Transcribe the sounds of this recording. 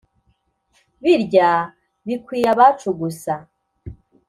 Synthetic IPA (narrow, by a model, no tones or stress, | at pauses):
βiɾɟa | βikwiːjaβat͡ʃuɡusa